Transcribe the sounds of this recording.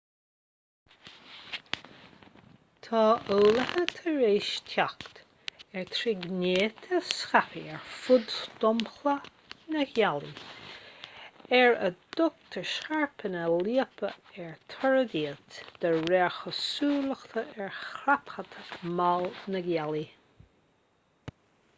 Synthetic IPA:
t̪ʰɑːʔuːləhət̪ʰəɹeːʃtʰakt̪ | ɛɹt̪ʰɾɪɡnʲeːt̪ʰəsxapiɛɹfʊd̪st̪ɔmxlə | nəɡjalḭ | ɛɹə̰d̪̥ʊk̚t̪ʰəɹʃxaɹpʰənəliəpʰəɛɹt̪ʰɔɹəd̪iət̪d̪̥əɹɛɹxəsuːləxt̪ʰəʔɛɹxɾapxət̪ʰəmalnəɡjali

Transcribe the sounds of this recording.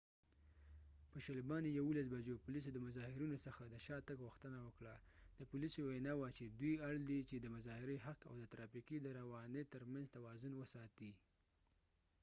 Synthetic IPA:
pəʃalibɑnijawulas̬bad͡ʒopʊlis̬od̪əmʊzɑhɪɾinosəxad̪əʃɑt̪əɡɣuxt̪ənawəkɽad̪̥əpʊlisowenɑwat͡ʃed̪wujaɽd̪it͡ʃed̪əmʊzɑhɪɾeɦaqa̰wd̪ət̪ɾɑfikid̪əɾawɑnet̪əɾmanzt̪awɑzʊnwəsɑt̪i

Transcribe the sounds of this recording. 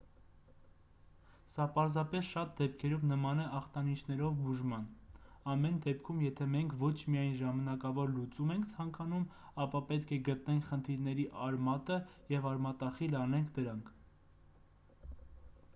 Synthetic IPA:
sɑpɑɾzɑpɛsʃɑt̪̚d̪ɛp̚kʰɛɾumnəmɑnɛʔɑχt̪ɑnit͡ʃʰnɛɾɔvbuʒmɑn | ɑmɛnd̪ɛpkʰumjɛt̪ʰɛmɛŋkʰvɔt͡ʃʰmiɑjnʒɑmɑnɑkɑvɔɾlut͡sumɛŋkʰt͡sʰɑŋkɑnum | ɑpɑpɛt̪kʰɛɡət̪nɛŋkʰχənt̪ʰiɾnɛɾiʔɑɾmɑt̪əjɛvɑɾmɑt̪ɑχilɑnɛŋkʰd̪əɾɑŋkʰ

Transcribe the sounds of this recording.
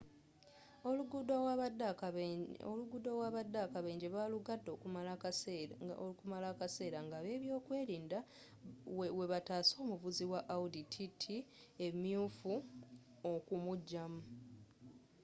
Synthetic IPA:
oluɡudad | o̰luɡudowaβadːakaβe̞ːɲɟeβaluɡadːo̞ːkumalakasekumalakase̞ːɾaŋɡaβe̞ːβjo̞ːkwe̞ːɾiːnda | we̞βataːso̞ːmuvuziwaʔauditʰitʰi | e̞mjuːfu | okumuɟːamu

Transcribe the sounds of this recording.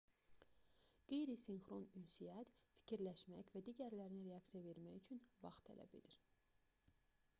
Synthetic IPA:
ɡ̥e̞jɾisinxɾo̞nynsijæt̪fi̥cʰiɾlæʃmæ̰çvæd̪iɟæɾlæɾiniɾeɑksijave̞ɾmæçyt͡ʃʰynvɑ̰χt̪ʰæ̰læ̰bḛd̪iɾ

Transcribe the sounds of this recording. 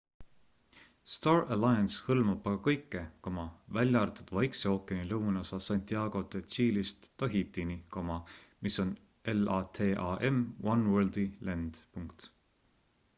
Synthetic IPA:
st̪ɑːrælɑjɑnshɤlmɑb̥ɑɡɑkɤjkːˑe̞komɑvælʲjɑrt̪ud̪̥vɑjkseo̞ːkːˑenilɤwnosɑsɑnt̪ʲˑiɑːɡ̥o̞t̪esiːlist̪ːɑɦit̪ːˑinikomɑmiso̞n | elɑːt̪ʰe̞ːʔɑːʔemwɑnwøld̪̥ilænd̪̥puŋkt̪

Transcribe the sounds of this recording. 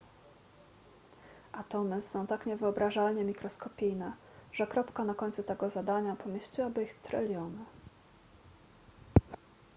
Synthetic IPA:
ʔat̪ɔmɘsɔ̃w̃t̪akɲɛvɘɔbɾaʐalɲɛmʲikɾɔskɔpʲijnɛ | ʐ̥ɛkɾɔpkanakɔɲʲt̪sut̪ɛɡɔzad̪aɲapɔmʲjeɕt͡ɕiwabɘixt̪ɾɛlʲjɔnɘ

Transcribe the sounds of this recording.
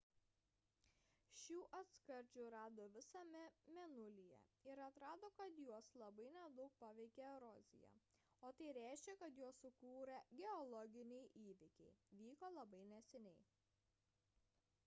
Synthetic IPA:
ʃʲuːʔɐt̪skɐɾʲd͡ʒʲuːɾɑːd̪oːʋʲɪsɐmʲɛmʲɛnʊlʲɪjɛ̰ɪɾɐt̪ɾɑːd̪oːkɐt̪juɔslˠɐbɐɪnʲɛd̪ɐʊk̚pɑːʋʲɛɪkʲeɾɔːzʲɪ̰jɛ̰ | oːt̪ɐɪɾʲæˑɪʃʲkʲɛkɐt̪juɔsʊkuːɾɐɡʲɛɔlˠɔɡʲɪnʲɛɪʔiːʋʲɪkʲɛɪʋʲiːkoːlˠɐbɐɪnʲɛsʲɛnʲɛɪ

